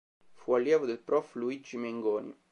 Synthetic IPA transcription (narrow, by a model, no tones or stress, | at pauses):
fualːjɛːvod̪elpɾɔfluid͡ʒimeŋɡɔːnjo̰